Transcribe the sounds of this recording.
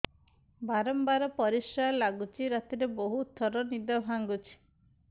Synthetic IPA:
baɾɔmbaɾɔpɔɾisalaɡut͡ʃʰiɾat̪iɾeboɦut̪ʰːɔɾɔnid̪ɔbʱaŋɡut͡ʃʰi̥

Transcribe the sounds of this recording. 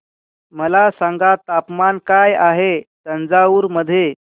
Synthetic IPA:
məlasãŋɡat̪apmankajaɦesənd͡zauːɾməd̪ʱːje

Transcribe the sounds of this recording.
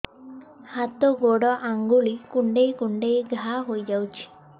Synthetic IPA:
hat̪ɔɡoɽɔʔaŋɡuɭikuɳɖejkuɳɖejɡʱaɦojd͡ʒawt͡ʃʰi̥

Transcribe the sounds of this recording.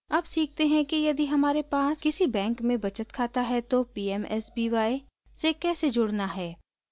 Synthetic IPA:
ɐbsiːk̚ʰt̪eɦɛ̃kijɐd̪iɦɐmaːɾepaːskɪsibɛ̃ːŋkmẽbɐt͡ʃət̪kʰaːt̪aɦɛt̪opiːɛmɛ̰sbiːʋaːe | sekɛːsed͡ʒʊɽnaɦɛː

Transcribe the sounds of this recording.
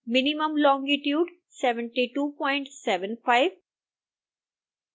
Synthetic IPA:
mɪnimə̃mlɔ̃ːŋɡɪʈjuːɖ | sɛʋə̃ɳʈiʈuːpɔ̃ɪ̃ɳʈsɛʋə̃nfaɪʋ

